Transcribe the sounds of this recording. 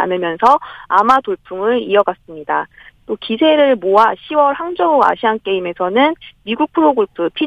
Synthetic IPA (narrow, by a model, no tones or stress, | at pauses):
a̰nɯmjʌnsʰʌamatoɭpʰuŋɯɾiʌɡas͈ɯmɲida | t͈okisʰe̞ɾɯɭmoaɕʰiwʌɭɦaŋd͡ʑʌua̰ɕʰiɦank͈e̞ime̞sʰʌnɯnmiɡuk̚pʰɯɾoɡɯɭpʰɯpʰi